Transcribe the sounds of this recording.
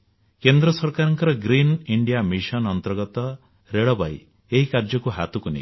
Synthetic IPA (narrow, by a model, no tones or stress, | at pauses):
kend̪ɾɔsɔɾkaɾɔŋkɔɾɔɡɾiniɳɖijamisɔnɔnt̪ɔɾɡɔt̪ɔ | ɾeɭɔba̰j | eɦikaɾd͡ʒɔkuɦat̪ukunḭ